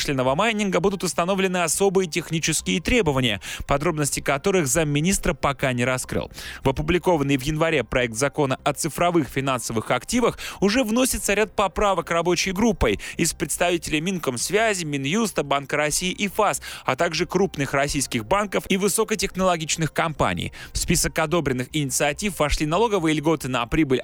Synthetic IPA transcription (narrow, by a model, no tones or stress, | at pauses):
ʂlʲɪnəvəmajnʲɪnɡəbud̪ʊt̪ʊst̪ɐno̞vlʲɪnɨɐso̞bɨjətʲɪxnʲit͡ɕɪskʲɪjət̪ɾʲe̞bəvənʲɪjə̰pɐd̪ɾo̞bnəsʲtʲɪkɐt̪o̞ɾɨxzamːʲɪnʲist̪ɾəpɐkanʲɪɾɐskɾɨ̰lˠvɐpʊblʲɪko̞vənːɨjvjɪnvɐɾʲe̞pɾɐɛk̚t̪zɐko̞nəʔɐt̪sɨfɾɐvɨxfʲɪn̪ansəvɨxɐktʲivəxʊʐɛvno̞sʲɪt̪səɾʲat̪̚pɐpɾavəkrɐbo̞t͡ɕɪjɡɾupːəjɪspɾʲɪt̪st̪ɐvʲitʲɪlʲɪmʲinkəmsvʲæzʲɪmʲɪnjust̪əbankəɾɐsʲiɪʔɪfasɐt̪aɡʐɨkɾupnɨxrɐsʲijskʲɪxbankəfivɨso̞kətʲɪxnəlˠɐɡʲit͡ɕnɨxkɐmpa̰nʲɪ̰jfspʲisəkɐd̪o̞bɾʲɪnːɨxɪnʲɪt̪sɨɐtʲifvɐʂlʲinɐlˠo̞ɡəvɨjəlʲɡo̞t̪ɨnɐpɾʲibɨlʲ